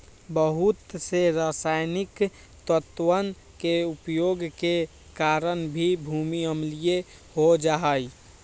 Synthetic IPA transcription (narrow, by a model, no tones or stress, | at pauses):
bəɦʊt̪seɾasaːjnɪk | t̪ət̪wən | keupjoːɡke | kaɾənbʱibʱumiəmlije | ɦod͡ʒaɦəj